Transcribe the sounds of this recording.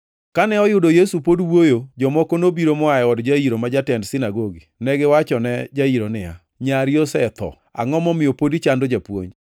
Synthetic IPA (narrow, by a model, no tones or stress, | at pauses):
kanɛɔjʊdojesupodwojod͡ʒɔmɔkonobiɾomɔajɛɔdd͡ʒaiɾomad͡ʒatɛndsɪnaɡoɡinɛɡɪwat͡ʃɔnɛd͡ʒaiɾonɪa̰ | ɲaɾjosɛt̪ʰɔ̰ | a̰ŋɔmɔmɪopodit͡ʃandod͡ʒapwo̰ɲ